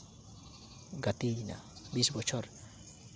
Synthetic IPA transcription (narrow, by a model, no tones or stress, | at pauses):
ɡat̪ijna̰bisbot͡ʃoɾ